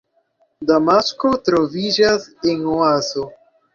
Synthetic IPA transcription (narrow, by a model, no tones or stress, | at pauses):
d̪amaskot̪ɾovid͡ʒaseŋoazo